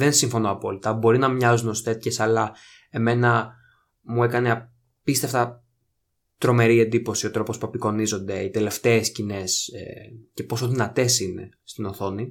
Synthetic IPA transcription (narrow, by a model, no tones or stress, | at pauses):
ðe̞nsiɱfo̞no̞ɐpo̞lit̪ɐbo̞ɾinɐmɲɐzunost̪e̞t̪çesɐlɐ | e̞me̞nɐ | mue̞kɐne̞ | pist̪eft̪ɐ | t̪ɾo̞me̞ɾie̞nd̪ipo̞sio̞t̪ɾo̞po̞spue̞piko̞nizo̞nd̪e̞it̪e̞le̞ft̪e̞ːscine̞sḛce̞po̞soðinɐt̪e̞sine̞̰st̪ino̞θo̞ni